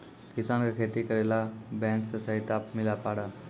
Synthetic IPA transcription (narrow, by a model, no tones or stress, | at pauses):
kisankakʰet̪ikəɾelabɛ̃ŋksasaɦit̪apmilapaɽa